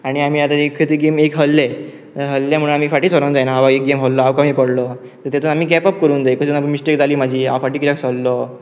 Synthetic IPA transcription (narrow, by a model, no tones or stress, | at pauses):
aɽ̃iam̤iːat̪aekʰːet̪iɡemekɦəlːe | əɦəlːjam̤əɽunamiːfaʈiːt͡sɔɾə̃nd͡zajnaɦaʋaek̚ɡemɦəllɔaʋkamipəɽlɔ | t̪əɾt̪at̪uːnamiːɡɛpəp̚kəɾuːnd͡z̪ajkət̪unap̬əɳmisʈekd͡zʱaliːmad͡ʑʱiːa̰ʋfaʈiːkit̪jaksɔlːɔ